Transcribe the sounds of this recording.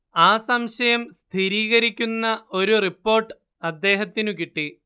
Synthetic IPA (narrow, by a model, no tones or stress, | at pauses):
aːsɐmɕɐjɐmst̪ʰiɾiːɣɐɾikʲːunːɐʔo̞ɾuripːo̞ːrʈːɨ | ɐd̪ːe̞ːɦɐt̪ːinukiʈːi